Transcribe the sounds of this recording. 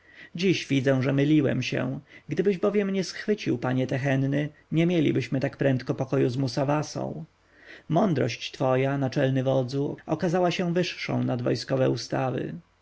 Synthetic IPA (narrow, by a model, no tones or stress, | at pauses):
d͡ʑiɕvʲid̪zɛw̃ʐɛmɘlʲiwɛ̰mɕɛ̰ɡd̪ɘbɘʑbɔvʲjɛmɲɛsxfɘt͡ɕiwpaɲɛt̪ɛxɛnːɘɲɛmʲjelʲḭbɘɕmɘt̪akpɾɛnt̪kɔpɔkɔjuzmusavasɔ̰̃w̃ | mɔnd̪ɾɔ̰ɕt͡ɕt̪fɔjanat͡ʂɛlnɘvɔd̪zuɔkazawaɕɛ̃vɘʂʂɔ̰̃w̃nad̪vɔ̰jskɔvɛ̰ust̪avɘ̰